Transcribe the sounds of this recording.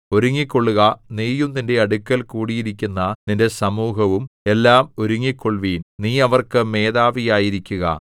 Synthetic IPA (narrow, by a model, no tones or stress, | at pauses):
o̞ɾuŋːikʲːo̞ɭːuɣɐneːjumninde̞ɐɽukːɐlkuːɽijiɾikʲːunːɐninde̞sɐmuːɦɐʋume̞lːaːmoɾuŋːikːo̞ɭʋiːnniːɐʋɐrkɨme̞ːðaːʋijaːjiɾikʲːuɣɐ̰